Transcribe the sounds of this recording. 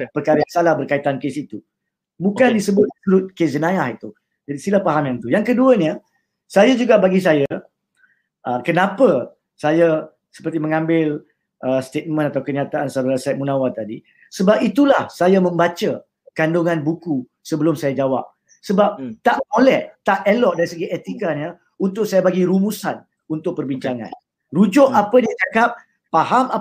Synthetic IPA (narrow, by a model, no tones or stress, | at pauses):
pərkaɾəjaŋsalahbərkait̪ankesit̪u | bukandisəbʊt̪̚suɾʊt̪̚kes̬d͡ʒənajahit̪u | d͡ʒadisilahpaɦamjãnt̪ujaŋkəduəɲə | sajad͡ʒuɡaʔbaɡis̬aja | ʔəkənãpə | saja | sə̥pərt̪imə̃ŋãmbɪl | ʔəst̪et̪̚mə̃nat̪awkəɲat̪aʔansaɾəlasɛt̪̚munãwat̪adi | səbap̚it̪ulahsajamə̃mbat͡ʃə | kanduŋãnbuku | səbəlʊmsajad͡ʒawa̰p̚ | səbap̚t̪aʔmolɛht̪aʔelɔʔ̚daɾisəɡiʔet̪ikaɲə | unt̪ʊʔk̚sajabaɡiɾumusan | unt̪ʊkʔ̚pərbiɲt͡ʃaŋã̰n | rud͡ʒʊʔapədiat͡ʃakap̚ː | aɦama